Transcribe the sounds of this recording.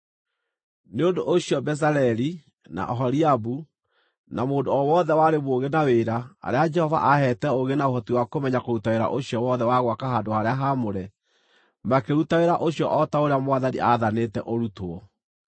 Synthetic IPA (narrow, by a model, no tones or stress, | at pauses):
neondoʔoɕiɔbɛs̬aɾɛɾi | na̰ʔɔɦɔɾiabu | namoːdoɔwɔðɛwaɾemoɣenaweɾaa̰ɾead͡ʒɛhɔva̰ʔahɛtɛoɣenaoɦɔtiwakomɛɲakoɾutaweɾa̰ʔoɕiɔwɔðɛwaɣwakaɦadohaɾeaɦamoɾɛ | makeɾutaweɾaʔoɕjɔʔɔtaoɾeamwaðanḭʔaðanetɛʔoɾutoɔ